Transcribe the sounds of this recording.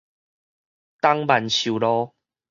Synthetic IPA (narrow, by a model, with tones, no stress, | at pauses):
t̪a˦ŋba˨nɕu˨˩lɔ˦